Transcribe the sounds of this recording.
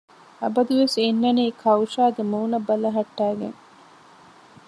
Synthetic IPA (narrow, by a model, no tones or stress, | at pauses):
ɐbɐd̪uʋesenːɐniːkʰɐwʂaːɡemuːnɐbɐlɐɦɐʈːæːɡḛŋ